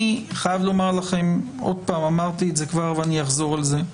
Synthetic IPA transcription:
iχajavlo̞maʁlaχe̞m | o̞̰d̚paːmamaʁt̪itze̞kvaʁveanijaχzo̞ʁalze̞

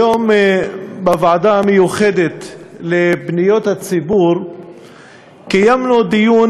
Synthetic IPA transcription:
jom | bavʕad̪amejuχed̪et̪lebnijo̞t̪hat͡sibuɾ | kajamnud̪ijun

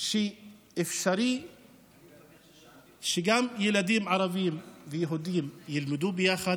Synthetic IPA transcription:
ʃiʔɪfʃaɾiː | ʃɪɡamjɪlad̪iːmʕɑɾˤɑbiːmvɪjaɦud̪iːmjɪlmɪd̪uːbɪjaxa

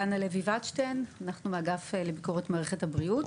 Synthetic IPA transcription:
analevivat͡ʃtenanaχnumeaɡafele̞biko̞ʁetmaːʁeχethabʁiut

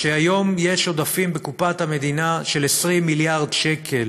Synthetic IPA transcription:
ʃeajo̞mje̞ʃo̞d̪afimbe̞kupat̪hame̞d̪inaʃe̞lesʁimːiljaʁdʃekʰe̞l

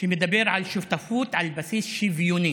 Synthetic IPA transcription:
fimɪd̪æbiːɾʕalʃuft̪afuːt̪ʕalbæsiːsʃivjuni

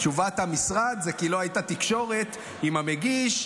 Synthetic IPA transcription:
t͡ʃuvat̪hamisʁad̪zekilo̞ajtat̪ikʃo̞ʁe̞t̪ | imameɡiʃ

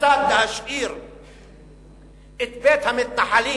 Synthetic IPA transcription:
aːd̪ahaʃʔiːɾ | ʔɪt̪beːt̪hamɪt̪̚naħaliː

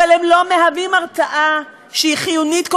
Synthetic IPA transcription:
alemlo̞me̞ɦavimaʁt͡saʔa | ʃeiχijunit̪k

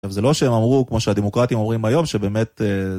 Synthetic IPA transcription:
avzelo̞ʃeemamʁukmo̞ʃead̪emo̞kʁat̪imo̞mʁimajo̞mʃe̞be̞ːme̞t̪e

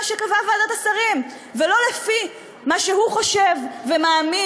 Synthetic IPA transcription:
ʃekavavad̪at̪asaʁim | velo̞lefi | maʃehuχo̞ʃevːemaːmi

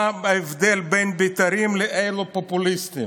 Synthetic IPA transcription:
evd̪elbenbit̪aɾimleʔejlopopulist̪im

